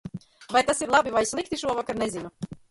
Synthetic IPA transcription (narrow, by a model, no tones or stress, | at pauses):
vajt̪asiɾlˠabivajsʲlˠik̚t̪iʃuɔvakaɾnezinu